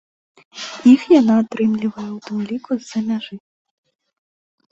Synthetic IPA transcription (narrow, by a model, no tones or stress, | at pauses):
ixjanaːt̪ɾɪmlʲivɐjɛwt̪ɨmlʲikuzɐmʲaʐɨ